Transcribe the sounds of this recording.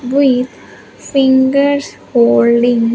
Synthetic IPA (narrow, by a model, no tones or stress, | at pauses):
ʋid̪ | fĩŋɡəɾshoːlɖĩŋ